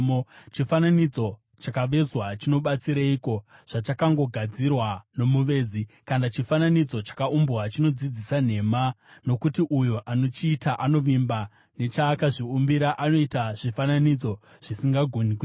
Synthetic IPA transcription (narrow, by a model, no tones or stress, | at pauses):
mot͡ʃifananid͡zo̞ | t͡ʃakaʋe̞zwat͡ʃino̞ɓat͡siɾaiko̞ʐ̥at͡ʃakaŋɡo̞ɡʱad͡zirwano̞muʋe̞ːzikanat͡ʃifananid͡zo̞t͡ʃḁkaumbɣat͡ʃino̞d͡zid͡zisan̤e̞ma | no̞kutiʔujoʔano̞t͡ʃiːtaʔano̞ʋimba | ne̞t͡ʃaːkaʐiumbiɾaʔano̞itaʐ̥ifananid͡zo̞ | ʐ̥isiŋɡaɡʱoniki